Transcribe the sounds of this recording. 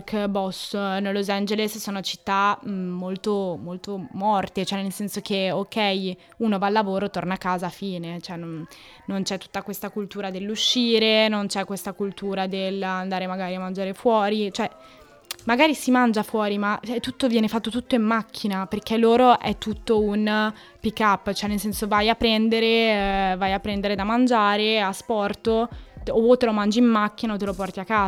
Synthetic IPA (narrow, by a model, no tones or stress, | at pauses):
kbɔsnelːozand͡ʒelessoːnot͡ʃi̥t̪ːamːolt̪omolt̪omɔrt̪et͡ʃoɛnelsɛnsok̟eokɛj | uːnovaːlːavoːɾot̪ornakːaːzaːfiːnet͡ʃoɛnon | nont͡ʃɛt̪ːu̥t̪ːakwest̪akult̪uːɾad̪elːuʃːiːɾenont͡ʃɛkːwest̪akult̪uːɾad̪eland̪aːɾemaɡaːɾiamːand͡ʒaːɾefwɔːɾit͡ʃoɛ | maɡaːɾisimand͡ʒafwɔːɾimat͡ʃɛt̪ːut̪ːovjɛːnefat̪ːot̪ut̪ːoimːakʰːinaperk̟elːoːɾoʔɛt̪ːut̪ːoun | pikːapːt͡ʃoɛnːelsɛnsovajapːɾɛnd̪eɾevajapːɾɛnd̪eɾed̪amand͡ʒaːɾeaspɔrt̪ooot̪ːelomand͡ʒiimːakːinaot̪ːelopɔrt̪iakːaː